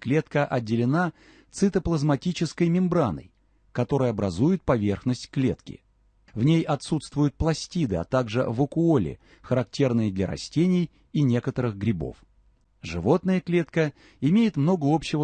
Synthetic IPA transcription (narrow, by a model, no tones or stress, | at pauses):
klʲe̞t̪kəʔɐdʲːɪlʲɪna | t̪sɨt̪əplˠəzmɐtʲit͡ɕɪskəjmʲɪmbɾanə̰j | kɐt̪o̞ɾəjəɐbɾɐzujʊt̪̚pɐvʲe̞rxnəsʲtʲklʲe̞t̪kʲɪ̰ | vnʲejɐt̪sut̪st̪vʊjʊt̪̚plˠɐsʲtʲid̪ɨa̰t̪aɡʐɨ̰vəkʊolʲɪ̰ | xəɾɐktʲe̞rnɨjəd̪lʲɐ̰ɾɐ̰sʲtʲenʲɪj | inʲe̞kət̪əɾɨɣɡɾʲɪbo̞̰f | ʐɨvo̞t̪nəjəklʲet̪kə | ɪmʲejɪt̪mno̞ɡəo̞pɕːɪvə